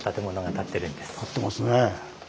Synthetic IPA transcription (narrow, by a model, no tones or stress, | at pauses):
t̪at̪e̞mo̞noɡat̪at̪ːe̞ɾɯ̟̃nd̪esɨ̥t̪at̪ːema̰sɨne